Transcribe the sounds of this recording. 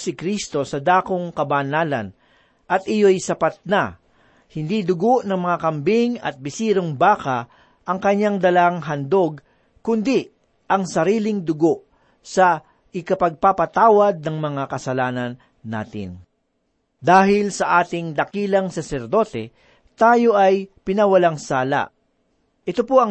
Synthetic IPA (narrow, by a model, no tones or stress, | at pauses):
sɪkɾist̪o̞sɐd̪aːkoŋkɐbanaːlɐ̰n | ʔɐt̪̚ʔɪjo̞jsɐpat̪̚na | hɪnd̪id̪ʊɡo̞ʔnɐŋmɐŋakɐmbiŋɐ̰t̪̚bɪsiːɾoŋbaːka | ʔɐŋkɐɲːaŋd̪ɐlaaŋɦɐnd̪o̞ɡ̚ | kʊnd̪i | ʔɐŋsɐɾiːlɪŋd̪ʊɡo̞ʔ | sɐ | ʔɪkɐpɐɡ̚papɐt̪aːwɐd̪̚nɐŋmɐŋakɐsɐlaːnɐnː | a̰ːt̪ɪ̰n | d̪aːhɪlsɐʔaːt̪ɪŋd̪ɐkiːlɐŋsɐsɛɾd̪o̞ːt̪ɛ | t̪aːjo̞ʔɐjpɪnɐwɐlaŋsaːla̰ʔ | ʔɛt̪opoɐ